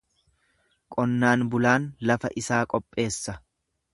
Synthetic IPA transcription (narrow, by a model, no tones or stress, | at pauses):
kʼɔnːaːnbʊlaːnlɐfɐ̰ʔɪsaːkʼɔpʼːe̞ːsːɐ